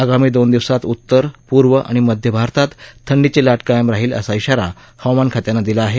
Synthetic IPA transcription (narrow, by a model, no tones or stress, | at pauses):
aɡamiːd̪ond̪iʋsat̪ut̪ːəɾpuɾʋəʔa̰ɽ̃iməd̪ʱjəbʱaɾt̪at̪t̪ʰːəɳɖit͡selaʈkajəmɾaɦiːlə̰saiɕaɾa | hawmankʰat̪janːad̪ilaːɦe